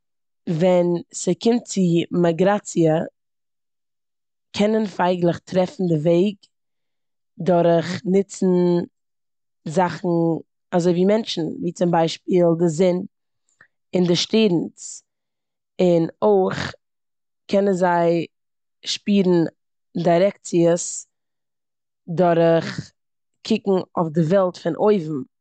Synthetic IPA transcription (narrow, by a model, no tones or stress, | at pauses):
vɛnsəkɪmt̚t͡sɪmaɡɾat͡siə | kʰɛnənfaɪɡlˠəχtʰɾɛfn̩dɪveɪɡ | dʊɾχnɪt͡sn̩ | zaχn̩ | azoɪviːmɛnt͡ʃn̩viːt͡sʊmbaɪʃpiːlˠdɪzɪn | ɪndɪʃteːdn̩s | ɪnoɪχ | kʰɛnənzaɪ | ʃpiːɾn̩ | daɪɾɛk̚t͡sɪəs | dɔɾəχ | kʰɪkŋ̩o̰ʊfdɪvɛlˠtfɪnʔoɪvm̩